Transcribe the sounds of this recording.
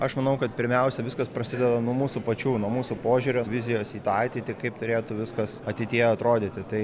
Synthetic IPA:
ɐʃmɐnɐʊkɐt̪pʲɪɾʲmʲɛʊsʲɛʋʲɪskɐspɾɐsʲɪd̪ʲɛd̪ɐnuɔmuːsupɐt͡ʃʲuːnuɔmuːsupoːʒʲuɾʲoʋʲɪzʲɪjoːsiːt̪ɑɑt̪ʲɪt̪ʲɪkɐɪpt̪ʊɾʲeːt̪ʊʋʲɪskɐsɐt̪ʲɪt̪ʲiɛjɐt̪ɾoːd̪ʲit̪ʲɪt̪ɐɪ

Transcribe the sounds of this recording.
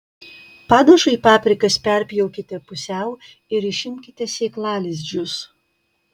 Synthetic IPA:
pɑːd̪ɐʃʊipɑːpʲɾʲɪkɐspʲɛɾʲpʲjɔʊkʲɪt̪ʲɛpʊsʲɛʊ | ɪɾɪʃʲɪmʲkʲɪt̪ʲɛsʲeːklˠɑːlʲes̬ʲd͡ʒʲʊs

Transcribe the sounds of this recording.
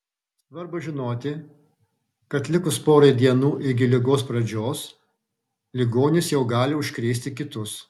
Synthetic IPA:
sʋɐɾbʊʒʲɪnoːt̪ʲɪ | kɐt̪ʲlʲɪkʊspoːɾɐjd̪ʲiɛnuːʔɪɡʲɪlʲɪɡoːspɾɐd͡ʒʲoːs | lʲɪɡoːnʲɪsjɛʊɡɑːlʲɪʊʃʲkɾʲeːsʲt̪ʲɪkʲɪt̪ʊs

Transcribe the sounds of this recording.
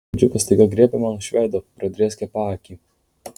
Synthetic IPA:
d͡ʒʲʊpɐsʲt̪ʲɐɪɡɐɡɾʲeɛpʲɛmʲɐnʃʲʋʲɛːd̪oːpɾɐd̪ʲɾʲeːsʲkʲɛpɑːkʲiː

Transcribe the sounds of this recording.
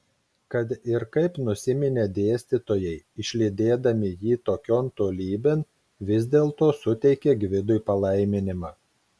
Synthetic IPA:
kɐt̪ɪɾkɐɪpnʊsʲɪmʲɪnʲed̪ʲeːsʲt̪ʲɪt̪oːjɛɪɪʃʲlʲɪd̪ʲeːd̪ɐmʲɪjiːt̪oːkʲoːnt̪oːlʲiːbʲeːn | ʋʲɪzʲd̪ʲeːlˠt̪oːsʊt̪ʲɛɪkʲeːɡʲʋʲɪd̪ʊjpɐlˠɐɪmʲɪnʲɪmɑː

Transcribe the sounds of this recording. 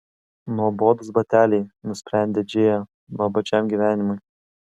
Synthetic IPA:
nuɔboːd̪ʊsbɐt̪ʲæːlʲɛɪnʊsʲpʲɾʲæˑnʲd̪ʲed͡ʒʲeːjɛ | ʋɐbɐt͡ʃʲɛˑmʲɡʲiʋʲæːnʲɪmʊj

